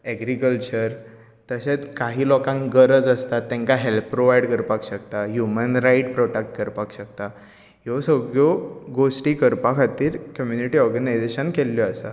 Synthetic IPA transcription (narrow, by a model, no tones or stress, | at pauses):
ɛɡɾikəlt͡ɕəɾ | t̪əɕet͡skaɦiːlɔkãŋkɡəɾəd͡zəst̪at̪ːɛ̃ŋkaɦelppːɾoʋajɽkəɾpakɕəkt̪aɦjumənɾaiʈpɾɔʈak̚ʈkəɾpakɕəkt̪a | ɦjɔsəɡɭoɡosʈiːkəɾpakʰat̪iːɾkəmjuniʈiɔɾɡənajd͡zeɕənkelːjɔəsa̰